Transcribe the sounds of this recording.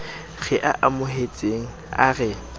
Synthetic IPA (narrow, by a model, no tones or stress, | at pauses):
ɣɛʔa̰ʔamʊɦet͡sʼeŋ̩a̰ɣɛ